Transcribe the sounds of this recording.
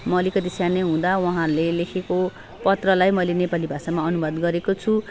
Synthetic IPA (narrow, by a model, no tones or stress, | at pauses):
mʌlikʌd̪isjaneɦũd̪awʌɦãɾulelekʰeko | pʌt̪rʌlajmʌlenepalibʱasamaʌnubʌd̪ɡʌɾekot͡sʰu